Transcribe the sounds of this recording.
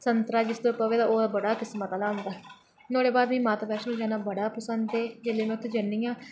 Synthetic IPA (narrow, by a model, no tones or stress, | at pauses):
sənt̪ɾaːd͡ʒɪsd̪oːpəʋeːd̪aːoːd̪aːbəɽaːkɪsmət̪aːlaːʊ̃nd̪aː | noːɽeːbaːd̪ʋĩːmãːt̪aːpɛːʃnũːd͡ʒaːnaːbəɽaːpəsənd̪eːd͡ʒeleːmɛ̃ʊt̪ʰːed͡ʒənːijãː